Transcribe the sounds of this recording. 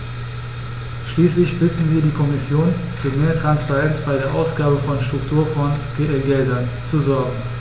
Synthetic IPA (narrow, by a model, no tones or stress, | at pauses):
ʃliːslɪçb̥ɪtn̩viːɐdiːkʰɔmɪsjoːnfyːɐmeːɐtʁ̥anspaʁɛnt͡sb̥aɪɾeːɐʔaʊsɡ̥aːbəfɔnʃtʁ̥ʊktʰuːɐfɔntɡɡɛldɐn | t͡suzɔɐɡŋ̩